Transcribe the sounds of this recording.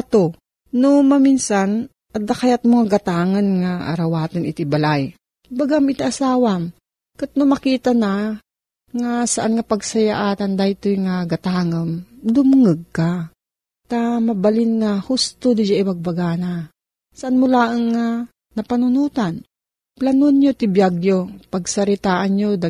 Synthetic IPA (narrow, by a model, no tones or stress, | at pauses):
at̪o | nomɐminsan | ɐd̪akajat̪̚moŋaɡɐt̪aːŋɐnŋaʔa̰ɾɐwaːt̪anʔɪt̪ibɐlaj | baɡamɪt̪aʔasaːwam | kat̪̚nomɐkiːt̪ana | ŋasaʔanŋɐpɐɡ̚sɐjaʔaːt̪and̪ajɪt̪ojŋaɡat̪aːŋɐmd̪ʊmŋəɡ̚ka | t̪amɐbalɪnŋahʊst̪od̪ɪjaʔɪbaɡ̚baɡaːna | saʔanmʊlaːʔəŋːa | nɐpanʊnuːt̪an | planonjot̪ɪbjaɡjopɐɡsɐɾɪt̪aːʔanɲod̪a